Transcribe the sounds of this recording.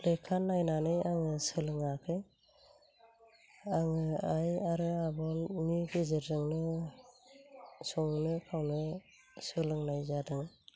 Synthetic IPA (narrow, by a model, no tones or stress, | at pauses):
lekʰːanːajnanɯjaŋɯsɯlɯŋakʰɯj | aŋɯajaɾɯabɔnmiɡɯzɯɾdɯŋnɯ | sɔŋnɯkʰawnɯ | sɯlɯŋnajzadɯŋ